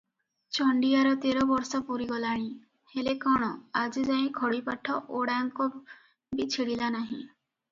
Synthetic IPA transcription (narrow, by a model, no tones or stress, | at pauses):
t͡ʃɔɳɖijaɾɔt̪eɾɔbɔɾsɔpuɾiɡɔlaɽ̃ĩ | helekɔɽ̃ɔad͡ʒid͡ʒaĩkʰɔɽipaʈʰːɔʔoɽaŋkɔ | bit͡ʃʰiɽilanaɦĩ